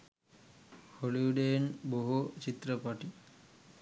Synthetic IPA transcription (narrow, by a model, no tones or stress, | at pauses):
holiwɖenboɦut͡ʃit̪ːɾəpaʈi